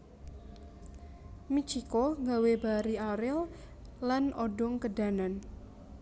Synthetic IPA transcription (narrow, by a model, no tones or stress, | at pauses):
mit͡ʃikoŋɡawebaɾiaɾɪl | lanɔɖɔŋkəda̤nan